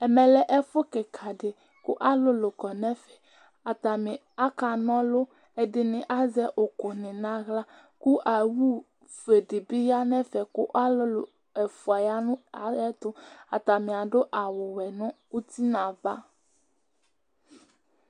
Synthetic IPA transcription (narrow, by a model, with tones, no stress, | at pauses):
ɛ˨mɛ̃˨lɛ˦ʔɛ˦fo˦ke˨kʰa˨ɖe˨ | ku˦ʔa˦lo˦lo˨kɔ˨nɛ̃˦fɛ̥˨ | a˨t̪a˨mĩ˨ | a˦ka˨nɔ̃˦lo˦ | e˨ɖɪ˨nɪ̃˨ʔa˦zɛ˦ʔo˨ko˨nɪ̃˨nã˦ɣla˦ | ku˦ʔa˨wu˦ | fe˨ɖi˨bi˦ja˦nɛ̃˦fɛ˨ko˦ʔa˦lo˦lo˨ | ɛ˨fu˨a˨ja˦nũ˦a˨ɛ˦t̪ʊ˦a˨t̪a˨mĩ˨a˨ɖo˦ʔa˨wo˨wɛ˨nũ˦ | u˦t̪i˦nã˨va˦